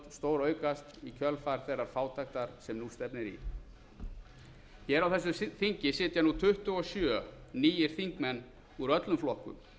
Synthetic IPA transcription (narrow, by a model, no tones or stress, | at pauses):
t̪st̪oːwɾœːɥkast̪ikʰœlfaɾ̥θeːrːaɾ̥faːwt̪axt̪aɾ̥sɛmnust̪ɛpnɪɾḭ | çɛːɾawθɛsːʏθiɲcɪsɪːt̪janut̪ʰʏht̪ʏɔsjœːniːjɪɾ̥θiŋkmɛnː | uɾœt̪lʏmflɔhkʏ̰m